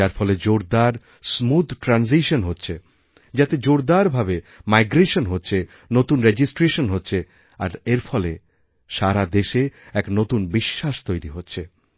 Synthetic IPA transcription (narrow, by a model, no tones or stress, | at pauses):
aɾfʰɔled͡ʑoɾd̪aɾ | smud̪ʱʈɾans̬iʃonɦotːɕʰe | d͡ʑat̪ed͡ʑoɾd̪aɾbʱabe | majɡɾeʃonɦotːɕʰe | not̪unɾed͡ʑisʈɾeʃonɦotːɕʰe | a̰ɾeɾfɔle | ʃaɾad̪eʃeɛknot̪unbiʃːaʃt̪ojɾiɦotːɕʰe